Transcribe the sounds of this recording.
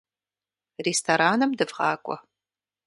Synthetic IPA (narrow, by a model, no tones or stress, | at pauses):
restʰoɾaːnɐmdɨvʁɑːkʷʼɔ̰